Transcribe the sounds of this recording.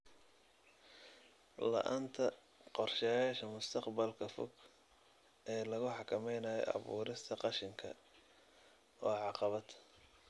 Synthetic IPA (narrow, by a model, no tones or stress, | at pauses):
lɐ̰ʔant̪ʰɐ | qɔrʃɛjaːʃɐmʊst̪ʰɑqbɐlkʰɐfɔ̰ɡ | ʔɛːlɐɣʊħɑkʰɐmɛjnɐːjɔ̰ʔɑ̰βṵːɾɪst̪ʰɐqɑʃɪŋkʰɐ̰ | ɔːʕɑqɑβɐd̪